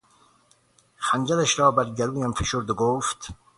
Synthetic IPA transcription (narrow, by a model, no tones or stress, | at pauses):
χænd͡ʒælæʃɾɒːbæɾɟæɾuːjæmfeʃoɾd̪oɡoːft̪